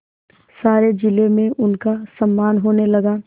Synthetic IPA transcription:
saːɾed͡ʒɪlemẽʔʊnkasɐmːaːnɦoːnelɐɡa

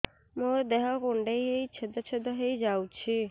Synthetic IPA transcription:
moɾd̪ɛɦɔkoɳɖejɦejt͡ʃʰed̪ɔt͡ʃʰed̪ɔɦejd͡ʒawt͡ʃʰi

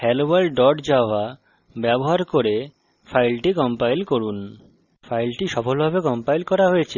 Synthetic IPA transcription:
hɛlobalɖɔʈd͡ʑaoa | bɛboɦaɾkoɾe | fʰajlʈikɔmpajlkoɾun | fajlʈiʃɔfolbʱaβekɔmpajlkɔɾaɦojet͡ɕʰe

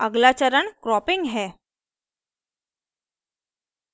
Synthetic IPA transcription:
əɡlat͡ɕəɾəɳkɾɔpiŋɡɦɛ

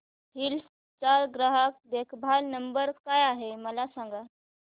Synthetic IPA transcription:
ɦils | t͡ɕaɾɡɾaɦək̚d̪ekʰbʱalnəmbəɾkajaɦeməlasãŋɡa

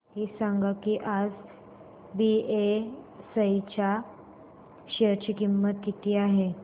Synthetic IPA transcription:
ɦiːsaŋɡakiʔad͡z | biesəjt͡ɕa | ɕəɾt͡ɕikimːət̪̚kit̪ʰiːaɦe

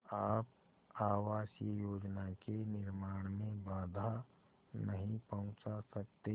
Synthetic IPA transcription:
aːp | aːwaːʃijoːd͡ʒnakenɪɾmaːɽ̃mẽbaːd̪ʱa | nɐɦĩpɐɦʊ̃t͡ʃasɐk̚t̪e

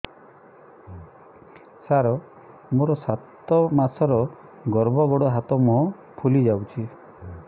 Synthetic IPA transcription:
saɾɔ | moɾɔsat̪ɔmasɔɾɔ | ɡɔɾbɔɡɔɽɔɦat̪ɔmɔɦɔ | pʰulid͡ʒawt͡ʃʰi

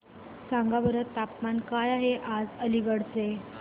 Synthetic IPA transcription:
sãŋɡabəɾət̪ːapmankajaɦeʔad͡zəliɡəɽt͡se

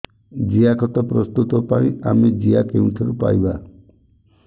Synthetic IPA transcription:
d͡ʒiakɔt̪ɔpɾɔst̪ut̪ɔpaĩa̰med͡ʒiakeũt̪ʰɔɾupa̰jba

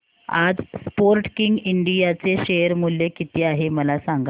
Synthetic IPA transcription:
a̰d͡zspoɾʈkiŋɡiɳɖijat͡seɕejəɾmuljekit̪iːaɦeməlasaŋɡa

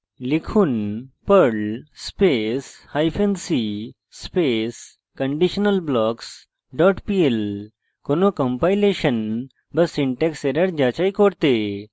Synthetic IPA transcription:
likʰuːnpəɭspeshajfʰensi | spes | kəɳɖiɕənəlblɔːks | ɖɔʈpiel | konokəmpajleɕən | bəsiɳʈekseɾəɾd͡ʑat͡ɕaikoɽt̪e

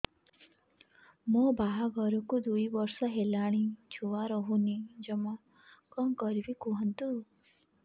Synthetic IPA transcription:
mɔbaɦaɡɔɾɔkud̪ujbɔɾsɔɦelaɽ̃it͡ʃʰuwaɾɔɦunid͡ʒemɔ | kɔŋkɔɾibikuɦɔnt̪u

